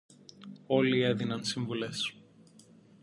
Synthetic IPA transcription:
o̞lie̞ðinɐnsiɱvules

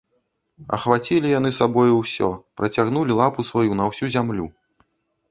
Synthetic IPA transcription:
ɐ̰xvat͡sʲilʲijan̪ɨsabɔjuwsʲɔ̰pɾɐt͡sʲaɣnulʲilˠapusvajunɐwsʲuzʲamlʲu

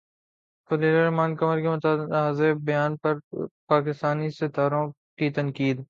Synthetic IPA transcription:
pɐleːɾeɾɐmaːnkɐməɾkemʊt̪aːaːzebɐjaːnpɐɾpaːkɪst̪aːnisɪt̪aːɾõ | kit̪ɐnkiːd̪

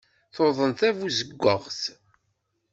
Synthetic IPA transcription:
θoðˤənt̪ævuzəɡʷːəʁθ

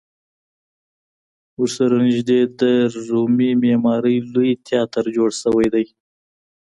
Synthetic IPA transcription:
uɾsaɾonɪʒd̪ed̪əɾumimemɑɾəjlujt̪ʰjɑt̪əɾd͡ʒoɽsəwajd̪aj

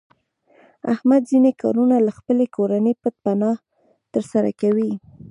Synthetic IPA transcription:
ahmad̪zinekɑ̰ɾunalaxpəlekoɾanəjpət̪̚panɑh | t̪əɾsaɾa̰kawi

